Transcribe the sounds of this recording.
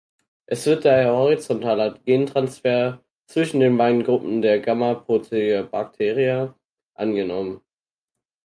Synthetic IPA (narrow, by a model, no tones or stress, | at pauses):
ʔɛsv̥ɪɐt̚d̥aːheːɐhɔʁit͡sɔntʰaːlɐɡ̥eːntʁ̥ansfeːɐ | t͡sv̥ɪʃn̩deːnvaɪnɡʁʊpm̩deːɐɡamɐpʁotʰeəbak̚tʰeːʁia | ʔanɡənɔmən